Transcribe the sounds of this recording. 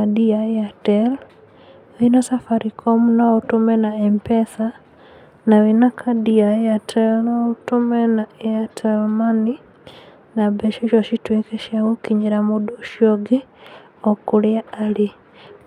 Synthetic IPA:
adiaatɛl | winasafaɾʔikʰɔmnaotumɛnaɛmpɛsa | nawinakʰadiaatʰɛlnɔutumɛnaɛatʰɛlmani | nabɛʃiʃɔʃitwekɛʃjaɣokiɲeɾamodoʃioɡe | ɔkuɾɪaale

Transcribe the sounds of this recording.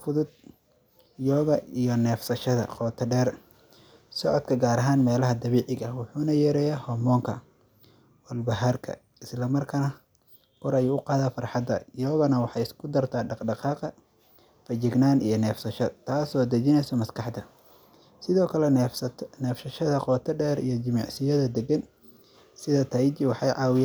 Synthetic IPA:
fʊðʊd̪ | jɔːɣɐijɔnɛːfsɐʃɐðɐ̰qɔːt̪ʰɐɖɛːr | sɔʕɔd̪kʰɐɡaːɾɐɦaːnmɛːlɐɦɐd̪ɐβiːʕɪɣɐwʊħuːnɐjɛːɾɛjɛhɔmɔːŋkʰɐ̰ | wɐlbɐɦarkʰɐ̰ | ɪslɐmɐrkʰɐnɐ | hʰʊɾɐjuːʊqɑːðaːfɑrħɑd̪ɐ̰jɔːɣɐnɐwɑħɑjɪskʰʊd̪ɐrt̪ʰaːɖɑqɖɑqɑːqɐ | fɐt͡ʃɪɡnaːnijɞnɛːfsɐʃɔt̪ʰaːsɔːd̪ɐt͡ʃɪnɛjsɔmɐskʰɑħd̪ɐ | sɪðɔːkʰɐlɛnɛːfʃɐʃɐðɐqɔːt̪ʰɐɖɛːɾḭjɔt͡ʃɪmɑ̰ʕsɪjɐðɐd̪ɛɡɐn | sɪðɐt̪ʰɐjt͡ʃɪwɑħɑjʕɑːwɪj

